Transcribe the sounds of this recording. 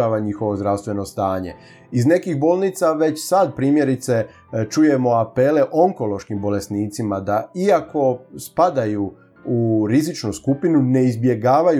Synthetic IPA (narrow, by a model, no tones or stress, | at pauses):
aːʋaɲixo̞ʋo̞zd̪ɾawst̪ʋe̞no̞st̪aːɲḛ | izne̞kixbolˠnit̪saʋe̞t͡ɕsad̪̚pɾiːmje̞ɾit̪se̞ | t͡ʃuje̞mo̞ape̞le̞ʔo̞ŋko̞lo̞ʃkimbo̞le̞sniːt̪simad̪aiako̞spad̪aju | uɾizit͡ʃnuskupinune̞izbje̞ɡaːʋaj